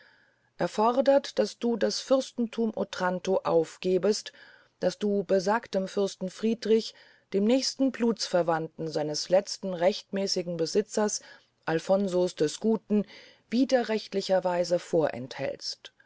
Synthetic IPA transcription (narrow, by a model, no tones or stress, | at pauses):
ʔɛɐfɔʁdɐtd̥asd̥uːdasfʏʁstn̩tʰuːmʔotʁ̥antoʔa̰ʊfɡ̥eːbəst | d̥asd̥uːbəzaːktəmfʏʁstn̩fʁ̥iːdʁɪç | d̥eːmnɛːçstn̩bluːt͡sfɛɐvantn̩zaɪnəslɛt͡stn̩ʁɛçtmɛːsɪɡŋ̩bəzɪt͡sɐs | ʔalfɔnzosd̥ɛsɡ̥uːtn̩ | v̥iːdɐʁɛçtlɪçɐvaɪzəfoːɐʔɛ̰nthɛ̰lst